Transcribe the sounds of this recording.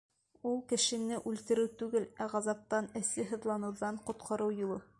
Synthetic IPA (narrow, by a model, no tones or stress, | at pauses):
ulˠkɘ̆ʃɘ̆nɘʔʉlt̪ɘ̆ɾɘwt̪ʉɡɘlæʁɑzɑp̚t̪ɑnɘ̆sɘɦɤ̆ðlˠɑnɤ̆wðɑɴqŏt̪̚qʰɑɾɤwjulˠɤ